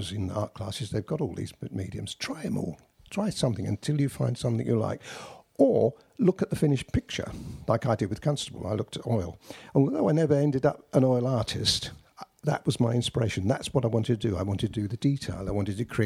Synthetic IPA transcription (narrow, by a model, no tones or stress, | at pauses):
ʌzɨ̃nðḭɑɹt̚kʰl̥æsɨzðeɪvɡɑɾɔlˠðḭzmḭɾiɨ̰̃mz̥tʰɹ̥aɪɨ̃mɔ̰lˠ | tʰɹ̥aɪsʌ̃mθɪ̃ŋɨ̰̃ntʰɪlˠjɨfãɪ̃nd̥sʌ̃mθɪ̃ŋjəla̰ɪkə˞ | lʊkɨt̪̚ðɨfɪ̃nɨʃpʰɪk̚t͡ʃə̰˞laɪkaɪdɨd̚wɨð̥kʰʌ̃nstəbl̩ˠa̰ɪlʊk̚tʰɨɾɔɪlˠə̃nwəlˠðoʊaɪnɛvə˞ɛ̃ndɨɾʌpʔə̃nɔɪlˠɑɹɾɪst | ðə̰ʔwʌzmaɪɪ̃nspə˞eɪʃɨ̃n̩ðæ̰tswʌɾaɪwɑ̃ntɨd̚tʰɨdɨa̰ɪwɑ̃ntɨtʰdɨðɨditʰeɪlˠaɪwɑ̃ntɨd̚tɨkʰɹ̥i